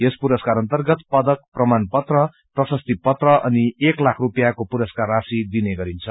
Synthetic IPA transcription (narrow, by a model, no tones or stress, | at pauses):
espuɾʌskaɾʌnt̪ʌrɡʌt̪pʌd̪ʌk̚prʌmanpʌt̪rʌ | prʌsʌst̪ipʌt̪rʌʔʌnieklakʰrupjakopuɾʌskarasid̪ineɡʌɾint͡sʰʌ